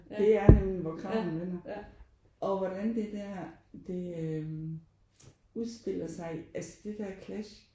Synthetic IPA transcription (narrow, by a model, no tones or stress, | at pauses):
d̥e̝æɐnemlinʋɒkʰʁɑ̈ʊ̰mhænʋen̰ɐ | ʔɒ̽ʋɒd̥ænd̥e̝d̥æɐ̰d̥e̝ø | uðˠsd̥e̝l̰ɐsɑ̈ɪælsə̥d̥e̝d̥æɐ̰kʰlæɕ